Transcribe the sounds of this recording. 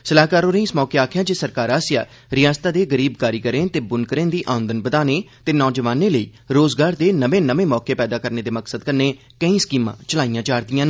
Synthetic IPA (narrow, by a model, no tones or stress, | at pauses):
səlaːɦkaːɾoːɾə̃ĩːɪsmɔːkeːaːkʰjaːd͡ʒeːsəɾkaːɾaːsja̰ː | ɾɪjaːst̪ãːd̪eːɡəɾiːbkaːɾiːkəɾẽːnt̪eːbʊnkəɾẽːnd̪iːʔaːʊənd̪ənbəd̪aːneː | t̪eːnɔːd͡ʒəʋaːneːləḭːɾoːzɡaːɾd̪eːnəʋẽːnəʋẽːmɔːkeːpɛːd̪aːkəɾneːd̪eːməksəd̪̚kəɾneː | kəĩːskiːmã̰ːt͡ʃəlaːijãːt͡ʃaːɾd̪ijãːn